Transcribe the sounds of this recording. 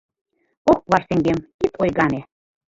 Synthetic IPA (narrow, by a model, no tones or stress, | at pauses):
okβɑrt̪ĕŋɡemkit̪ʰojɣɑne